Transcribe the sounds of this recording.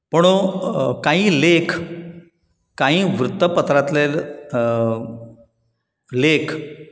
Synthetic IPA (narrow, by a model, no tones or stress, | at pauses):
pəɳ̃okaɦĩːlekʰ | kãɦĩːʋɾut̪ːəpət̪ɾat̪lel | lekʰ